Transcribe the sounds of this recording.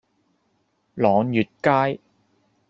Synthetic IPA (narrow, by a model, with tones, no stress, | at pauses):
lɔː˨˧ŋjyː˨t̚kaː˥j